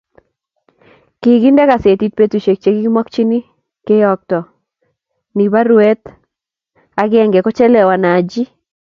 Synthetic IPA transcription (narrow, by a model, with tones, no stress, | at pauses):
ki˨ɡi˦ndɛ˦ka˨se˨ti˦t̚pe˦t̪u˨ʃe˨k̚t͡ʃe˨ɡi˦ɡi˦mɔ˦kt͡ʃi˦ni˦ | ke˦jɔ˨k̚tɔ˨ | ni˨βa˦ɾwe˦t̪ | a˨˦ɡɪ˦ɛ˦ŋɡɛ˨kɔ˦t͡ʃɛ˦lɛ˨wa˨na˨d͡ʒi˦